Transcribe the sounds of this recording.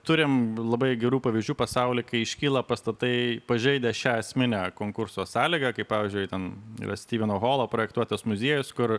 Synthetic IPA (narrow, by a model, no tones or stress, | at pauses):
t̪ʊɾʲɪmlˠɐbɐɪɡʲɛɾuːpɐʋʲɪzʲd͡ʒʲuːpɐsɐʊlʲɪkɐɪɪʃʲkʲiːlˠɐpɐst̪ɐt̪ɐɪpɐʒʲɛɪd̪ʲɛʃʲæːɐsʲmʲɪnʲækoːŋkʊɾsoːsɑːlʲiːɡɐkɐɪpɑːʋʲɪːzʲd͡ʒʲʊɪt̪ʲɛnḭːɾɐ̰sʲt̪ʲiːʋʲɪnoːɣoːlˠoːpɾoːjɛkt̪uɔt̪ɐsmʊzʲiɛjʊskʊr